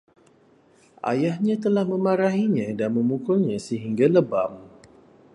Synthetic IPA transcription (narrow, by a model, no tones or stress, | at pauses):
ʔa̰jahɲãt̪əlahmə̃maɾaɦiɲãdanmə̃mukʊlɲãsəɦiŋɡaləbam